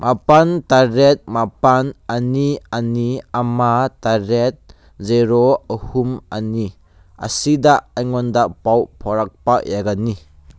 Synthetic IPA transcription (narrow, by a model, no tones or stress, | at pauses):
mʔapantaɾet̚mapananianiamataɾet̚ | zeɾoəhumani | a̰sidaajŋɔndaʔpawpʰɔɾak̚paʔjaɡani